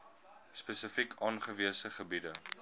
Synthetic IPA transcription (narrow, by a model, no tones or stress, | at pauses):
spɛsəfikʰɑːnχəviəsəχəbidə